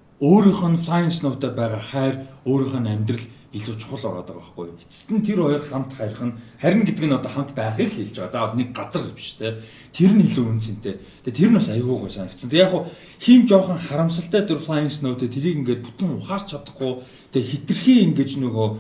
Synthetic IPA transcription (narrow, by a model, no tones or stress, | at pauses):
oːɾiːχə̆nfɮajə̆nsnʊːt̪æːpæːʁaːχæːroːɾiːχə̆næmʲt̪rə̆ɮ | iɮuːt͡ɕ̆χʊ̆ɮʊ̰ɾaːt̪ə̆kɔ̰χɡṵjet͡sɘ̥̆t̪ɘ̆nt̪ʰeɾɔjɞ̆rχam̥t̪χaɾr̆χə̆nχæɾʲɪ̆ŋɡet̪ɘ̆kɘ̆nɔt̪ɔːχam̥t̪pæːχiːkɮeɮt͡ɕæːʁaːt͡saːwt̪nek̚ɢat͡sə̆rpi̥ʃt̪ʰeː | t̪ʰeɾɘ̆niɮuːunsɘ̆nt̪ʰeː | t̪ʰeːt̪ʰeɾɘ̆nʊsajʊːɣuːʁujsanə̆kt̪t͡sʰə̆t̪ʰekjaːχʊ | xiːmt͡ɕɔːχə̆ŋχaɾə̆msə̆ɬt̪æːt̪ʊrflajənsnʊːt̪eːt̪ʰeɾiːkiŋɡeːt̪̚pu̥t̪ʰɘ̆ŋʊχaːrt͡ɕʰat̪ə̥̆χɡʊː | t̪ʰexet̪ɘ̆rxiːiŋɡeːt͡ɕnuːɣoː